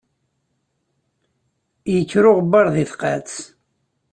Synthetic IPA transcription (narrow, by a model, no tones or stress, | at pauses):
jəkːɾʊʁəbɑɾˤðɪθqæ̰t͡s